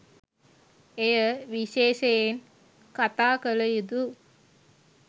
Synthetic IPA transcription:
ejəʋiʃeːʃejen | kat̪aːkələjid̪u

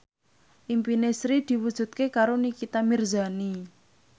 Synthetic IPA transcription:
ʔimpinesɾid̪̥i̤wud̥ʒ̥ṳt̪̚kekaɾonikit̪amirzani

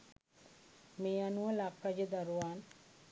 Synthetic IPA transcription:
meːanuʋɐlakɾad͡ʒəd̪aɾuʋaːn

